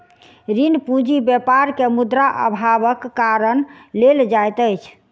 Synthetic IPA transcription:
ɾinpũd͡ʒibjɛpaɾkemud̪ɾaʔə̰bʱabəkːaɾənleld͡ʒajt̪əjt͡ʃʰ

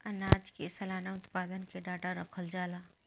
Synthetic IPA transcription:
ɐnaːd͡ʒkesɐlaːnaʊt̪paːd̪ənkeɖaːʈaɾɐkʰəld͡ʒaːlaː

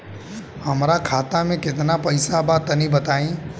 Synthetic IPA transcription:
həmɾakʰaːt̪amẽkɪt̪napɐɪsabat̪ɐnĩbɐt̪aːĩː

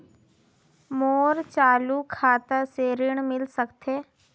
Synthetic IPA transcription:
moːɾt͡ʃaːlukʰaːt̪əseːɾɪɳ̃mɪlsəkt̪ʰeː

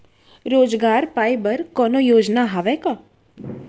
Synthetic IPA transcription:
ɾoːd͡ʒɡaːɾpaːibəɾkɔːnojoːd͡ʒnaɦaʋɛka

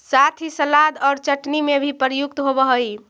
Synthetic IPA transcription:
sat̪ʰisəlad̪ɔːɾt͡ʃəʈnimebʱipəɾjuk̚t̪ɦobəɦəi

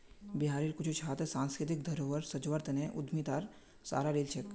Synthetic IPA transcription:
biɦaːɾiɾkʊt͡ʃʰut͡ʃʰɦaːt̪esãːnskɾɪt̪ɪk̚d̪ʱɐɾoʋəɾsɐd͡ʒʋəɾt̪ʰneʔʊd̪ʱmit̪aːɾ | sa̰ːɾaɾelt͡ʃʰək

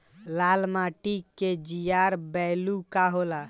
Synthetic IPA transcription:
lalmaʈiked͡ʒijaɾbɛlukaɦola

